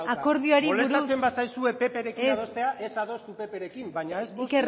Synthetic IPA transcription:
ako̞ɾðioaɾiluɾasembasajsue̞pe̞pe̞ɾe̞kiisðost̪e̞aʔesaðo̞st̪upe̞pe̞ɾe̞kimbajɲaessker

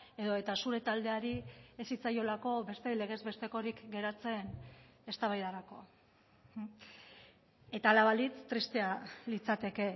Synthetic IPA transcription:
e̞ðo̞e̞t̪asuɾe̞t̪ald̪e̞aɾiesit͡sajo̞lako̞be̞st̪e̞le̞ɣ̞e̞zβe̞st̪e̞ko̞ɾikɡe̞ɾat͡se̞ne̞st̪aβajðaɾako̞ | e̞t̪aːlaβalit͡st̪ːɾist̪e̞alit͡sat̪e̞ke̞

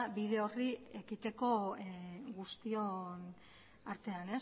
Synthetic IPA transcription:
biðe̞o̞rie̞kit̪e̞ko̞ | ɣust̪io̞n | aɾt̪e̞ane̞s

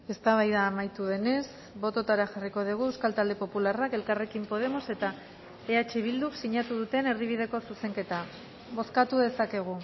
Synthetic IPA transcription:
e̞st̪aβajðaːmajt̪uðe̞ne̞s | bo̞t̪o̞t̪aɾaʝariko̞ð̞iɣ̞ue̞wskalt̪ald̪epo̞pularake̞lkare̞kimpo̞ð̞e̞mo̞se̞t̪a | eat͡ʃeβ̞ild̪uksiɲat̪uð̞ut̪e̞ne̞ɾðiβ̞iðe̞ko̞suse̞ŋke̞t̪a | βo̞skat̪uðe̞sake̞ɣ̞u

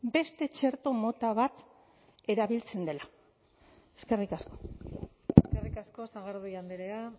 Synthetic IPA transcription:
be̞st̪e̞t͡ʃe̞ɾt̪o̞mo̞t̪aβat̪ | e̞ɾaβilt͡se̞nd̪e̞la | e̞ske̞rikasko̞̥ | eskerikasko̞saɣaɾðujand̪eɾea

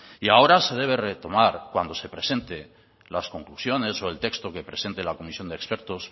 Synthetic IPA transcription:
iao̞ɾase̞ðe̞β̞e̞re̞t̪o̞maɾkwand̪o̞se̞pɾe̞se̞nt̪e̞ | lasko̞ŋklusjo̞ne̞so̞e̞lt̪e̞kst̪o̞ke̞pɾe̞se̞nt̪elako̞misjo̞nd̪ekspe̞ɾt̪o̞s

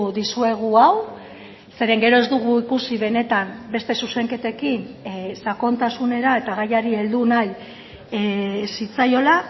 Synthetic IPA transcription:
ðisue̞ɣ̞uaw | se̞ɾe̞ŋɡe̞ɾo̞e̞zd̪uɣ̞uikusiβ̞e̞ne̞t̪ambe̞st̪e̞suse̞ŋke̞t̪e̞kinsako̞nt̪asune̞ɾae̞t̪aɣajaɾie̞ld̪unaj | sit͡sajo̞la

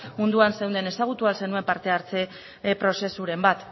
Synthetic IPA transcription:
mund̪uanse̞wnd̪e̞ne̞saɣ̞ut̪ualse̞nue̞mpaɾt̪e̞aɾt͡se̞ | pɾo̞se̞suɾe̞mbat̪

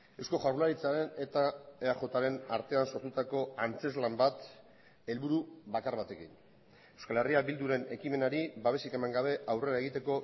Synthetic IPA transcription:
e̞wsko̞ʝarlaɾit͡saɾe̞ne̞t̪aeaʝo̞t̪aɾe̞naɾt̪e̞anso̞ɾt̪ut̪ako̞ant͡se̞zlambat̪ | e̞lβuɾuβakaɾβat̪e̞kin | e̞wskale̞riabild̪uɾe̞ne̞kime̞naɾiβaβe̞sike̞maŋɡaβ̞e̞ʔawre̞ɾae̞ɣ̞it̪e̞ko̞

